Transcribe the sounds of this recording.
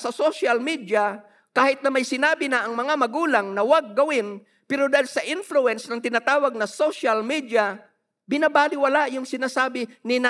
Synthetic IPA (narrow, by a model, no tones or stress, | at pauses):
sɐsoʃɐlmid̪ja | kaːhɪt̪̚nɐmɐjsɪnaːbɪnɐʔɐŋmɐŋamɐɡuːlɐŋnɐwaɡ̚ːɐwɪn | pɛɾod̪aːhɪlsɐʔɪnfluɛnsnɐŋt̪ɪnaːt̪aːwɐɡ̚nɐsoʃɐlmid̪ja | bɪnabaːlɪwɐlajʊŋsɪnaːsaːbɪnɪna